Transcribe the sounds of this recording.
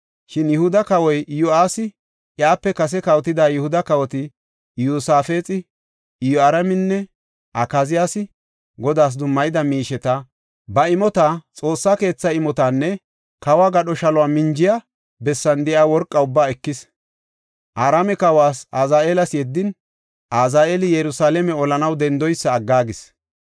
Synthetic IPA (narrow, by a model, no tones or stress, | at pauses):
ʃɪnjɛhʊd̪ɐkɐwɔjʔɪjɔaːsɪ | ʔjaːpːɛkɐs̬ɛkɐwt̪ɪd̪aːjʊhʊd̪ɐkɐwɔt̪ɪ | juːsaːfe̞ːt͡sʼɪ | ɪjɔaɾɐmɪnːɛ | ʔɐkazɪjaːsɪ | ɡɔd̪aːs̬d̪ʊmːɐjɪd̪ɐmiːʃɛt̪ɐ | bɐɪmɔt̪aːt͡sʼo̞ːsːake̞ːt͡sːɐɪmɔt̪aːnːɛ | kɐwaːɡɐɗɔʃɐlɔaːmɪnd͡ʒɪja | bɛsːɐnd̪ɛʔaːwɔɾkʼːɐʊbːaːɛkːɪs | ʔaːɾamɛkɐwaːsaːzaːʔeːlɐsjɛd̪ːɪn | ʔaːzaːʔelɪjɛɾʊsaːlɛmɛɔlɐnɐwd̪ɛnd̪ɔjsːɐːɡːaːɡɪs